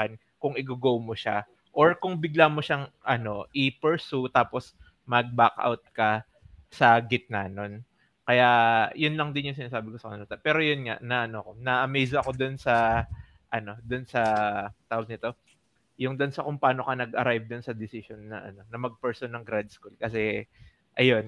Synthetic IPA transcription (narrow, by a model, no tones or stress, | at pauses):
ɐn | kʊŋɪɡoɡowmoʃa | ʔo̞ɹkʊŋbɪɡlaːmoʃaŋʔɐno̞ʔɪpɛɹsut̪aːpo̞s | mɐɡ̚bakʔa̰wt̪̚kɐ | sɐɡɪt̪̚nɐno̞n | kɐjaʔjʊnlɐŋd̪ɪnjʊŋsɪnaːsaːbɪkosɐkɐnɐlut̪ɐpɛːɾojʊnŋa̰ʔnɐʔɐnokonɐʔɐmɛjzɐɐko̞d̪onsɐ | ʔɐno̞d̪ʊnsɐt̪aːwɐɡ̚nɪt̪o̞ | jʊŋd̪onsɐkʊŋpaːno̞kɐnɐɡʔɐɾajvd̪onsɐd̪ɪsɪsonːɐ̰ʔɐ̰no̞nɐmɐɡ̚pɛɹsʊnɐŋɡɾad̪̚skulkɐsɛ | ʔɐjo̞n